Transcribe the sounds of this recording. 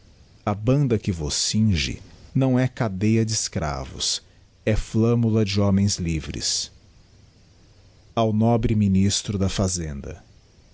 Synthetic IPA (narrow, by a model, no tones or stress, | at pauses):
ɐbɐ̃nd̪ɐkɪvosːĩʒɪ̰nɐ̃w̃ɛkad̪ejɐd͡ʒɪɪskɾa̰vʊ̰s | ɛflɐ̃mulɐd͡ʒɪɔ̃mẽj̃zlivɾɪ̰s | awnɔbɾɪminist̪ɾʊd̪ɐfazẽnd̪ɐ̰